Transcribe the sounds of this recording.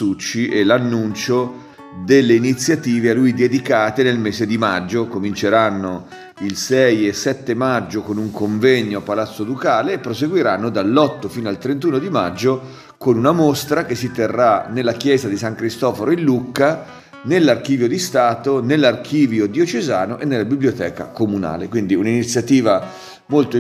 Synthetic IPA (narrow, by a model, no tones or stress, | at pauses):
ut͡ʃːiʔɛlanːunt͡ʃo | d̪elːeinit̪sːjat̪iːvealujd̪ed̪ikaːt̪enelmeːzed̪imad͡ʒːokomint͡ʃeɾanːo | ilsɛjesɛt̪ːemad͡ʒːokonuŋkoɱvɛɲːoapːalat̪sːod̪ukaːleːpːɾoseɡwiɾanːod̪alːɔt̪ːofiːnoalt̪ɾent̪̬uːnod̪ima̰d͡ʒːo | konunamost̪ɾakesːit̪erːanelːak̟jɛːzad̪isaŋkɾist̪ɔːfoɾoilːukːa | nelːarkiːvjod̪ist̪aːt̪onelːark̟ʰiːvjod̪iot͡ʃezaːnoʔenːelːabibljot̪ɛːka̰komuna̰ːlekwind̪iuninit̪sːjat̪iːva | molt̪o